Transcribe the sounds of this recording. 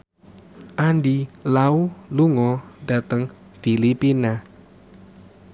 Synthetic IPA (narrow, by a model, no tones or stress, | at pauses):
ʔandilauluŋɔda̤t̪əŋ | filipina